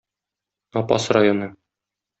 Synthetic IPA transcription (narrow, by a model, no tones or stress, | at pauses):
ɒpɑ̰srajonɤ